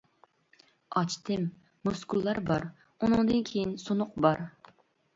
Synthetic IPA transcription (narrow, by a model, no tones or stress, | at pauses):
ɑt͡ʃt̪ʰɪmː | uskʰulˠːɑɾbɑɾ | unɨŋd̪ɨnkʲʰejinsonʊq̚bɑɾ